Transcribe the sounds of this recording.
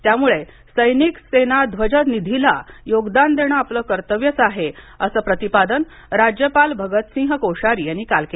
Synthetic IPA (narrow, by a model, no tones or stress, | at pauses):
t̪jamuɭe | səjniksenad̪ʱʋəd͡ʑət̪nid̪ʱilajoɡd̪and̪eɽ̃əapləːkəɾt̪əʋjət͡saɦe | əsəːpɾət̪ipad̪ən | ɾad͡ʑjəpalbʱəɡət̪sĩŋɦəkoʂaɾiːjañikalke